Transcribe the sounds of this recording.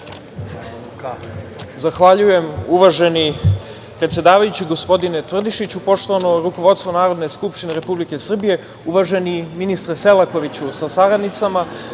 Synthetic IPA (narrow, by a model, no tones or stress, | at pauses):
zaxʋaʎuje̞muʋaʒe̞ni | pɾet̪sje̞d̪aːʋajut͡ɕiɡo̞spo̞d̪inet̪ʋr̩d̪iʃit͡ɕupo̞ʂt̪oʋanoɾuko̞ʋo̞d̪st̪ʋonaːɾo̞d̪ne̞skupʂt̪ineɾe̞publike̞sr̩bije̞ | uʋaʒe̞niminist̪ɾase̞lˠako̞ʋit͡ɕusasaɾad̪nit̪sama